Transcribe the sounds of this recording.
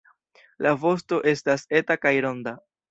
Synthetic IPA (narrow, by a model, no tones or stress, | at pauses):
lavo̞sto̞ʔe̞stase̞takajɾo̞nda